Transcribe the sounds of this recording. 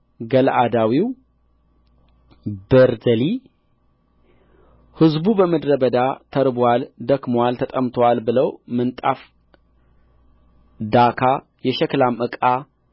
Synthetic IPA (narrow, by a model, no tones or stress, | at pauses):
ɡəlʔad̪awiw | bəɾzəli | hɨzbubəməd̪ɾəbəd̪at̪ʰəɾbwald̪əɡmwalt̪ʰət̪ʼəmt̪ʰowalbɨləwmɨnt̪ʼa̰f | d̪akʰa | jɛʃɛklamʔɨkʼa